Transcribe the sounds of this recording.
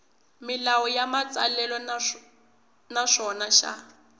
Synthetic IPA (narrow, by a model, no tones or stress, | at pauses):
mɪlawɔjamat͡salɛlɔ | naʂɔnaʃa̰